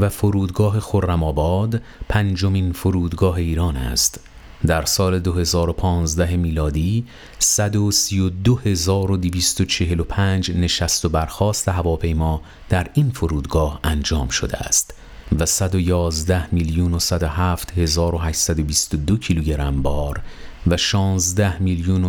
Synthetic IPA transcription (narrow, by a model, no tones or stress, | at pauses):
væfoɾuːd̪ɡɒːɦe̞xorːæmɒːbɒːd̪pʰænd͡ʒo̞miːnfoɾuːd̪ɡɒːɦe̞iːɾɒːnæ̰st̪ | d̪æɾsɒːle̞d̪o̞he̞zɒːɾo̞pʰɒːnzd̪æɦemiːlɒːd̪iː | sæd̪osijod̪ohe̞zɒːɾo̞d̪iviːst̪o̞t͡ʃʰe̞ɦelopʰæːnd͡ʒne̞ʃæst̪o̞bæɾxɒːst̪e̞ɦævɒːpʰe̞jmɒː | d̪̥æɾiːnfoɾuːd̪ɡɒːhænd͡ʒɒːmʃod̪eæ̰st̪ | væsæd̪o̞jɒːzd̪æhmiljuːnosæd̪oɦæːft̪he̞zɒːɾo̞ɦæʃsæd̪o̞bist̪o̞d̪ocʰiluɟe̞ɾæmbɒːɾvæʃɒːnzd̪æhmiljuːno